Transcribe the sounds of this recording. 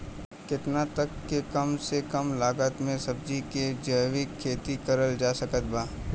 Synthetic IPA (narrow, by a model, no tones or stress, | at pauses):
kɪt̪nat̪ɐkːekɐmsekɐmlaːɡət̪mẽsɐb̚d͡ʒiked͡ʒəːʋikʰːeːt̪ikɐɾəld͡ʒaːsɐkət̪̚baː